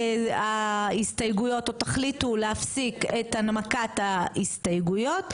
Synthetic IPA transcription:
aistajɡujo̞totaχlituleafsiketanmakataistajɡujo̞t

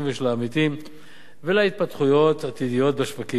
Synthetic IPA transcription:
veʃlaːmit̪im | velait̪̚pat̪χujo̞t̪at̪id̪ijo̞t̪̚baʃvaki

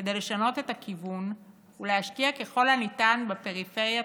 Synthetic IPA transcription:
ked̪e̞jle̞ʃano̞t̪e̞t̪akʰivun | uleaʃkiake̞χo̞lhanit̪anbape̞ʁife̞ʁja

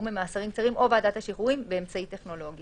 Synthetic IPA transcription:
memaːsaʁimkt͡saʁimʔo̞beadat̪haʃiχuimbeːmt͡saitːe̞χno̞lo̞ɡ

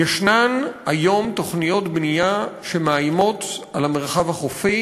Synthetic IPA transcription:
eʃnanajo̞mt̪o̞χnijo̞tbnijaʃemaajmo̞talameʁχavhaχofi

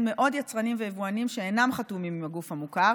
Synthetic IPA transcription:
dme̞ʔo̞djat͡sʁanimvejevuanimʃeːnamχatumimimaɡufhamukaʁ

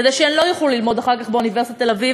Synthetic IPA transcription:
d̪eʃeenlo̞jaχlulilmo̞d̪aχaʁkaχbeunive̞sitat̪ːelavi

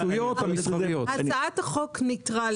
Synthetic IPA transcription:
ujjothamisavijohat͡saat̪haχoknitʁal

